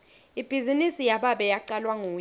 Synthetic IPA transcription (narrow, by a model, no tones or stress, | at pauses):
ib̥ʱizinisijaɓaɓɛjaǃalwaŋuː